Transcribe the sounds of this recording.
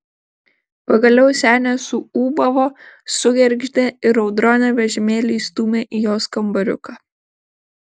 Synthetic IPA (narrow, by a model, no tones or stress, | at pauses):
pɐɡɐlʲɛʊsʲæːnʲɛsʊuːbɐʋoːsʊɡʲɛɾʲɡʒʲd̪ʲeɪɾɐʊd̪ɾɔːnʲɛʋʲɛʒʲɪmʲeːlʲiːst̪uːmʲeːʔijoːskɐmbɐɾʲʊ̰kɑː